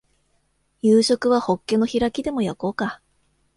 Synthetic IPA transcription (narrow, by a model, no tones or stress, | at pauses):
jɯːɕo̞kɯ̟β̞aho̞kːe̞no̞çiɾakʲid̪e̞mo̞jako̞ːka